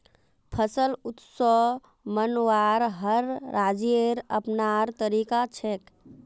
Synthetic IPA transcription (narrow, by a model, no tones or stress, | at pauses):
pʰəsəlut̪sɔ | mənwaɾɦəɾːad͡ʒieɾə̰pnaɾt̪əɾikat͡ʃʰek